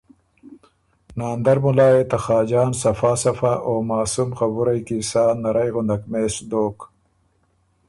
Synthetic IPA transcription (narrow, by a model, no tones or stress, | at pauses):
naːnd̪ɐɾmʊlaːet̪axɑːd͡ʑɑːnsɐfaːsɐfaʔoːmaːsumxabuɾajkisaːnɐɾɐjɣʊnd̪akmeːsd̪oːk